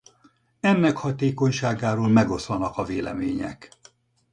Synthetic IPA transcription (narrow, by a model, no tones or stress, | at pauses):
ɛnːɛkhɒt̪eːko̞ɲʃaːɡaːɾoːlmɛɡo̞slɒnɒkɒveːlɛ̰meːɲɛ̰k